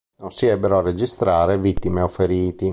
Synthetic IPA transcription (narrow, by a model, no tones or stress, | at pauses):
nonsiɛbːeɾoarːed͡ʒist̪ɾaːɾevit̪ːimeofːeɾiːt̪i